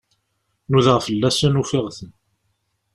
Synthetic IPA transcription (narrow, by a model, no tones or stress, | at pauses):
nuðəʁfəlːæsænufɪʁθən